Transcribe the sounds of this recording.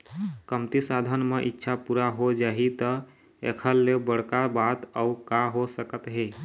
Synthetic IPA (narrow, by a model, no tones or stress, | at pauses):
kəmt̪isad̪ʱənmeʔitːʃʰapuɾaɦod͡ʒaɦit̪ə | ḛkʰəlːebəɽ̤kabat̪əukaɦosəkət̪ɦe